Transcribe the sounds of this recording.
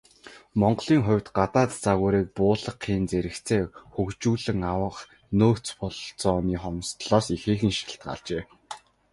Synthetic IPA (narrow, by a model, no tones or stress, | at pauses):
mɔɴɢɮiːŋχʊ̟wʲt̪ɢat̪aːt̪t͡saɣuːɾeːk̚pʊːɮə̆qʰːiːnt͡seɾɘ̆kt͡sʰeːxɵkt͡ɕuːɮɘ̆ŋawə̆χ | noːt͡spɔɮt͡sɔːniːχɔmst̪ɮɔːsixeːxɘ̆ŋʃi̥ɣʲɪ̆ɬt̪̚ɢa̰ɮt͡ɕeː